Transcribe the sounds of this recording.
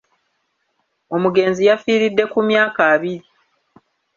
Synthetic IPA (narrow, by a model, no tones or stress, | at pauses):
o̞muɡe̞ːnzijafiːɾidːe̞kumjaːkaːβiɾi